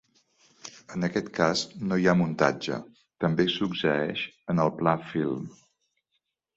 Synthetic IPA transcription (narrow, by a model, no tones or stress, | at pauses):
ənəkɛt̪kaznojamunt̪a̰d͡ʒə̰ | t̪əmbesuksəɛʃənəlˠplafilˠm